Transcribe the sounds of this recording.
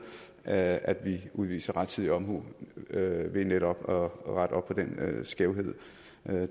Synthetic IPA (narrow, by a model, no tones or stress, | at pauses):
æd̥ʋiuð̞ˠʋḭːsɐʁɑ̈d̥t͡sʰið̰ˠiɒ̽mɦṵ | ʋe̝neɾ̥ɒ̽b̥ɒʁad̥ɒ̽b̥̚ʰɒ̽d̥ensɡ̥eʊɦe̝ð̰ˠ